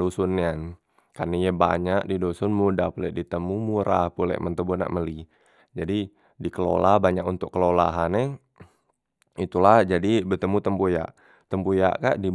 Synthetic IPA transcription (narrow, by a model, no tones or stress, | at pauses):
osʊnːan | karnijəbaɲak̚didosʊnmudahpulɛʔdit̪əmumuɾahpulɛ̰ʔmənt̪əbuna̰ʔməli | d͡ʒadi | dikəlo̰lahbaɲakunt̪ʊkːəlolaɦanɛ | it̪ulahd͡ʒadibət̪əmut̪əmpuja̰ʔ | t̪əmpuja̰ʔka̰ʔdi